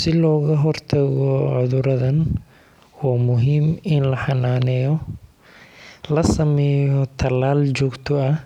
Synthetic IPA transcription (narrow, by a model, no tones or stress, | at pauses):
sɪlɔːɣɐɦɔrt̪ʰɐɣɔʕʊðʊɾɐðɐn | waːmʊɦiːmɪnlɐħɑnaːnɛːjɔ | lɐsɐmɛːjɔt̪ʰɐlaːlt͡ʃɔːɡt̪ʰɔɐ